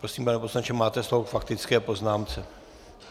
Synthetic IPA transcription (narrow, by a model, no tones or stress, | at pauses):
pɾosiːmanɛposlant͡ʃɛmaːt̪ɛsloɦokfak̚t̪ɪt͡skɛːpo̞znaːmt͡sɛ